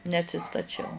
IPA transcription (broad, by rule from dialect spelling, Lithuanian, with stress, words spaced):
nʲɛɐtʲsʲɪstɐˈt͡ʃʲɛʊ